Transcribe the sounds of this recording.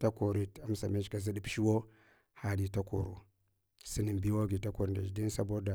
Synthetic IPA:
ta˦ko˨ɾi˨ta˦m˦sa̰˨me˦t͡ʃka˨zi˦ɗi˦pʃi˦wo˦ | ha˨di˦ta˦ko̰˨ɾu˨ | si˦ni˨mbi˦wo˦ɡi˨ta˦ko˨ɾnda̰˨d͡ʒdi˦n˦sa˦bo˦da˨

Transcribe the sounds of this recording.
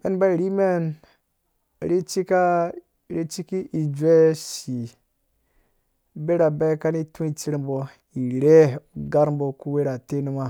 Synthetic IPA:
ḛ˦nba˦i˨ɾi˦me˦˨n | ɾe˦t͡ʃi˦ka˦ | ɾe˦t͡ʃi˦ki˦ʔi˨d͡ʒʷe˦ʃi˨ | be˦ɾa˨be˦ka˦ni˦tũ˦i˨t͡ʃi˦ɾmbo˨ | i˨ɾe˦ɡa˦ɾmbo˨ku˦we˦ɾa˨te˦nu˦ma˦˨

